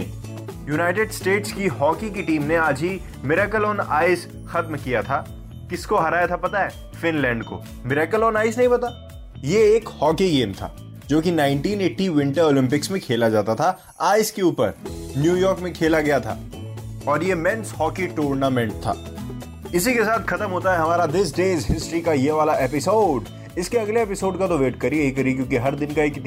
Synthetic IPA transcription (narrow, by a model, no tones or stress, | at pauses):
junaːɪʈeɖsʈeːʈskihɔːkikiʈiːmneaːd͡ʒi | mɪɾaːkəlɔ̃ːna̰ːɪs | xɐt̪mkijat̪ʰaː | kɪskoɦɐɾaːjat̪ʰapɐt̪aɛː | fɪnlɛ̃ːɳɖko̰ | mɪɾaːkəlɔːnaːɪs̬nɐɦĩbɐt̪aː | jeːkhɔːkiɡeːmt̪ʰa̰ː | d͡ʒoːkinãːɪ̃ɳʈiːneːʈːiʋɪ̃ɳʈəɾoːlɪ̃mpɪksmẽkʰeːlad͡ʒaːt̪at̪ʰa | aːskeuːpə̰ɾnjuːjɔːɾkmẽkʰeːlaɡɐjat̪ʰa̰ː | ɔːɾjemɛ̃nshɔːkiʈuːɾnamɛ̃ɳʈ̚t̪ʰa̰ː | ɪsikesaːt̪xɐt̪əmɦoːt̪aɦɛɦɐmaːɾad̪ɪs̬ɖeːzɦɪsʈɾikajeʋaːlaʔeːpɪsoːɖ | ɪskeɐɡleeːpɪsoːɖkat̪oʋeːʈkɐɾieikɐɾikjõːkiɦɐɾd̪ɪnkaeːk̪